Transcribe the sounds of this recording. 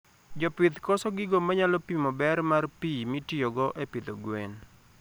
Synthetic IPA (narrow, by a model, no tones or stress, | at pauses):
d͡ʒɔpɪd̪kɔsɔɡɪɡɔmaɲalɔpimɔbɛɾmarpimitijɔɡɔʔɛpɪd̪oɡwen